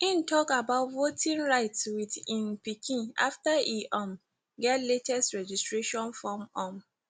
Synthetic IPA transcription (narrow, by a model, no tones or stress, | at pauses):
ĩn̩tɔkabaʊtvotʰĩnɹaɪtwidĩnpikʰĩna̰ftaiʔãm | ɡɛtletɛstɹɛd͡ʒistɹeʃɔ̃nfɔ̃mɔ̃m